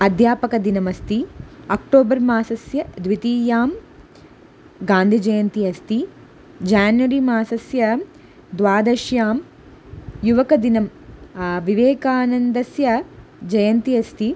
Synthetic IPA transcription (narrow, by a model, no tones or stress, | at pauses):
ɐd̪ʱjaːpɐkɐd̪inɐmɐst̪iɐk̚ʈoːbɐɾmaːsɐsjɐd̪ʋit̪iːjaːm | ɡaːnd̪ʱid͡ʒɐjɐnt̪iɐst̪i | d͡ʒaːnʋɐɾimaːsɐsjɐ | d̪ʋaːd̪ɐʃjaːm | juʋɐkɐd̪inɐm | ʋiʋeːkaːnɐnd̪ɐsjɐd͡ʒɐjɐnt̪iɐst̪i